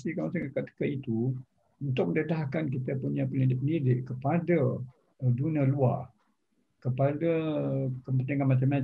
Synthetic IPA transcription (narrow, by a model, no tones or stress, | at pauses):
sikanmat͡ʃaŋkəkat̪ə̥kait̪u | unt̪ʊk̚məndet̪aɦakank̬it̪əpuɲapənidipəndidɪʔkəpadə | dunialua | kəpadəkəpənt̪iŋanmat͡ʃama